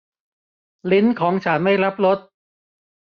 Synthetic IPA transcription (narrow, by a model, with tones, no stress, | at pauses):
li˦˥nkʰɔː˩˦ŋt͡ɕʰa˦˥nma˥˩jɾa˦˥p̚ɾo˦˥t̪̚